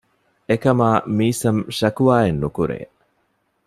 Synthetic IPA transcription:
ekɐmaːmiːsɐmʃɐkuʋaːenːukuɾḛː

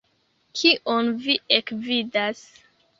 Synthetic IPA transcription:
kʰiʔonviekvidas

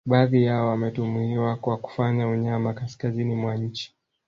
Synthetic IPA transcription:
ɓaːðijaɔwamɛtumuiwakwaku̥faɲauɲamakaskazinimwaɲ̩t͡ʃi̥

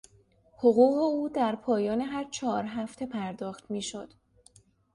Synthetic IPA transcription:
hoɣuːɣeuːd̪æɾpʰɒːjɒːne̞ɦæɾt͡ʃʰɒːɾɦæft̪ʰe̞pʰæɾd̪ɒːxt̪miːʃo̞d̪̥

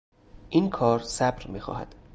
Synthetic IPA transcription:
ʔiːnkʰɒːɾsæbɾmiːxɒ̰ːhæ̰d̪̥

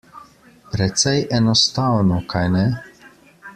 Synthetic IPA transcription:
pɾɛt̪sɛjʔɛnɔst̪awnɔkʰajnɛ

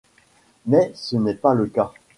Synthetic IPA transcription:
mɛsənɛpaləka

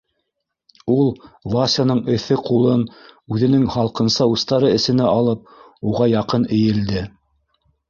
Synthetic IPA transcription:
ulˠvasʲanɤɴɘ̆θɘqulˠɤnʉðɘ̆nɘŋhɑlˠqɤ̆nsɑust̪ɑɾɤɘ̆sɘ̆nɘʔɑlˠɤp̚ | uʁɑjɑqɤnɘ̆jɘ̆ld̪ɘ

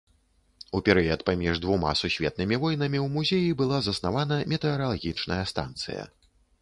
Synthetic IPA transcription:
upʲɛɾɨjɐt̪pamʲiʐd̪vuma̰susʲvʲɛ̰t̪̚nɨmʲivɔjnɐmʲiwmuzʲejibɨlˠazɐsnavanɐmʲɛt̪ɛɐɾalˠɣʲit͡ʂnɐjɐst̪a̰nt̪sɨ̰jɐ̰

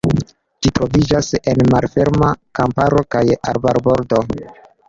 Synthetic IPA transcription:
d͡ʒitɾo̞vid͡ʒase̞nmalfe̞ɾmakampaɾo̞kaja̰ɾbaɾbo̞ɾdo̞

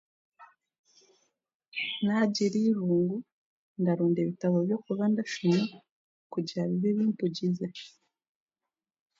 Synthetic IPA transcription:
naɟiɾiːβuːŋɡu | ndaɾuːndeβitaβobjo̞kuβandaʃuma | kuɟiaβiβiβiːnpuɟize

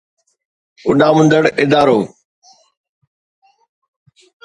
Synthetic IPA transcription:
ʊɗãːmʊ̃nd̪əɽʔɪd̪aːɾoː

